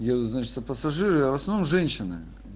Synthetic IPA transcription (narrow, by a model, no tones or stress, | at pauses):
jed̪ʊt̪znat͡ɕɪt̪əpəsɐʐɨɾɨɐvəsnɐvnomʐɛnʲɕɪnɨ̰